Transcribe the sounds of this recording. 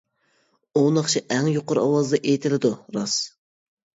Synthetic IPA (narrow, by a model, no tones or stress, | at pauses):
onɑχt͡ʃʰiʔɛŋjoqʊɾɑ̰wɑzɨd̪ɑʔejt̪ʰɪlɪd̪uɾɑs